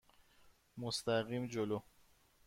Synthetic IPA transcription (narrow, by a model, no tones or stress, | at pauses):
most̪ʰæɣiːmd͡ʒoloː